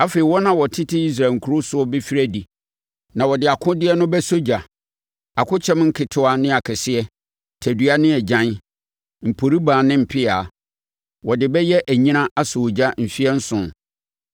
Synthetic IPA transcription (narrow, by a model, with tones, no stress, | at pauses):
a˦fe˨i˨wɔ˦nã˨wɔ˨tʰɪ˦tʰɪ˦i˦s̬ɾa˨ŋ̩˨kʰu˦ɾʊ˦sʊ˦ɔ˦bɪ˦fi˦ɾæ˦di˨ | nã˨wɔ˨dɪ˨a˨kʰʊ̃˦dɪ˦ɛ˦nʊ̃˦bɛ˦so˦d͡ʑa˨ | a˨kʰʊ˦t͡ɕʰɛ˦mŋ̩˦kʰɪ˨tʰʊ˦a˦nɪ̃˦a˨kʰɛ˨sɪ˦ɛ˦ | tʰæ˨dɥa˦nɪ̃˦ɛ˨d͡ʑã˦n | m̩˨pʰo˨ɾi˦bãː˨nɪ̃˦m̩˨pʰɪ˦aː˨ | wɔ˨dɪ˨bɛ˦jɛ˦ʔæ˨ɲĩ˦nã˦ʔa˦so˨d͡ʑa˦m̩˨fi˦ɛ˦n̩˦sʊ̃˨n